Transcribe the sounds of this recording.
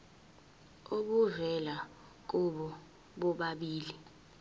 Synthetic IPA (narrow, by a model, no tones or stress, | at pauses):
oɓuzɛla | k̬ɔɓɔ | ɓɔɓaɓiːli